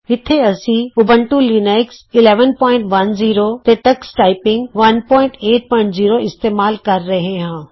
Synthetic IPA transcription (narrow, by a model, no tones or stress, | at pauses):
ɪt̪ʰeɐsĩʊbʱə̃ɳʈuliːneksɪleːʋənpɔːɪ̃ɳʈʋɐnziːɾot̪eʈɐksʈaːɪpɪ̃ŋɡʋɐnpɔːɪ̃ɳʈeːʈ̚pɐ̃nziːɾoɪst̪eːmaːlkɐɾːɐɦẽɦãː